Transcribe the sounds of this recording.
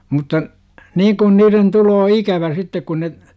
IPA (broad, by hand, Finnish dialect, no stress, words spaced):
mutˑɑ niːŋ kun niːren tuloː ikæʋæ sitːek kun ne